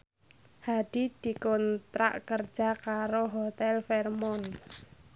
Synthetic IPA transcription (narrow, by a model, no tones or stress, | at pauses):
haɖ̪̥i̤d̪̥i̤kɔnt̪ɾa̰ʔkərd̥ʒ̥a̤kaɾoɦɔt̪ɛlfɛrmɔn